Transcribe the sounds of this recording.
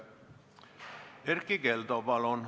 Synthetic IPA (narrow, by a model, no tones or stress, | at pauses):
erkːikelt̪opɑlon